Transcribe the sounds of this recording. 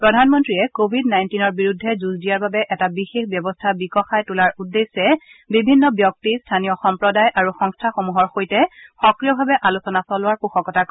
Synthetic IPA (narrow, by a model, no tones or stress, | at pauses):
pɹɔdʱanmɔntɹiɛkobʱidnajntinɔɹbiɹudʱːɛzuzdijaɹbabɛʔɛtabixexbjɔbɔstʰabikɔxajtulaɹudːesɛbibʱinːɔbjɔk̚tistʰanijɔxɔmpɹɔdajʔaɹuxɔŋstʰaxomuɦɔɹxojtɛxɔkɹijɔbʱabɛʔalusɔnasɔlʊwaɹpuxɔkɔtak